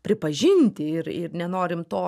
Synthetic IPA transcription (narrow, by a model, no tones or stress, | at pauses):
pʲɾʲɪpɐʒʲɪnʲt̪ʲɪɪɾɪ̰ɾnʲɛnoːɾʲɪmt̪oː